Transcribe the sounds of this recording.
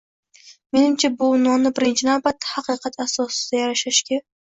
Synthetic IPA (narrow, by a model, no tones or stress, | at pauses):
me̞nɪmt͡ʃʰabʊnɒnɪbɪɾɪnt͡ʃʰɪnawbat̪ʰːḁhɑqʰɨqʰɑt̪ʰasɒsɪ̥d̪ajaɾaʃaʃkʲa